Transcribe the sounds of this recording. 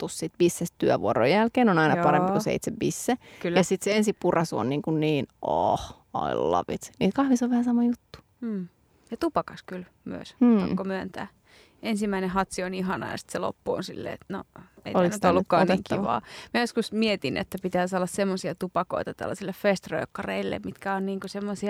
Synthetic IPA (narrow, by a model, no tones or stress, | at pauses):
t̪ussit̪ʋisːest̪t̪yæʋṵoɾo̰jjælkeːnonɑinɑpɑɾempikusḛit̪seʋʋisːekyljɑsit̪seensipurɑsuo̰nniːŋkunniːnʔo̰h | ɑ̰ḭlːɑ̰ʋit̪sniːt̪kɑhʋisoʋʋæhæsɑmɑjut̪ːu̥ | m̩ː | jɑt̪upɑkɑskyl | my̰ø̰sɑkːomyænt̪æ̰ː | ensimːæinehɑt̪sioniɦɑnɑ̰jɑ̰si̥t̪selo̰pːuo̰nsḭlːḛːet̪no̰ḛioænnyt̪olːukːɑːnek̪ːʋɑ̰ːmæjoskusmiet̪inḛt̪ːæpit̪æːsɑlːɑssemːosiɑt̪upɑko̰it̪ɑt̪æ̰lːɑsilːeffest̪rø̰ːkːɑrḛilːḛmmit̪kæonniːŋkusemːosiɑ